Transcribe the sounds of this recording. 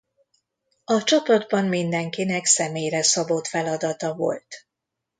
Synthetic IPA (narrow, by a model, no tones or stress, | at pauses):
ɒt͡ʃɒpɒd̪bɒmmind̪ɛŋkinɛksɛmeːjɾɛsɒbot̪fɛlɒd̪ɒt̪ɒvo̞̰lt̪